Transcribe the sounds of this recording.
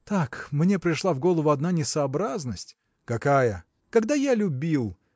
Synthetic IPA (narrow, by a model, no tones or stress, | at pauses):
t̪akmnʲe̞pɾʲɪʂlˠavɡo̞lˠəvʊɐd̪nanʲɪsɐɐbɾaznəsʲtʲ | kɐkajə | kɐɡd̪ajalʲʊbʲilˠ